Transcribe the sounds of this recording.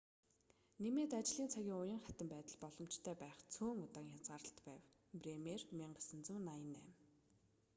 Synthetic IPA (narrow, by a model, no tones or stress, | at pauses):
nemeːt̪at͡ɕɮiːnt͡sʰaɣʲiːŋʊjə̆ŋχæt̪ə̆mpæːt̪ə̆ɮpɔɮɞ̆m̥t͡ɕt̪ʰæːpæːχt͡sʰoːŋʊt̪aːŋjat͡sʁaːɾə̆ɬt̪pæːw | premermʲiɴɢə̆sə̆nt͡sə̆mnajə̆næ̰ːm